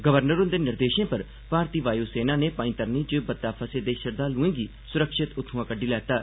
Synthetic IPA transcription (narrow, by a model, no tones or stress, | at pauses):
ɡəʋəɾnəɾõnd̪eːnɪɾd̪eːʃẽːpəɾ | paːɾt̪iːʋaːjuːseːnãːneːpaːĩːt̪əɾniːd͡ʒoebət̪ːaːpʰəsẽːd̪eːʃəɾd̪aːlʊẽːɡiː | sʊɾəkʃɪt̪ʊt̪ʰɦʊãːkəɖːiːlɛːt̪aː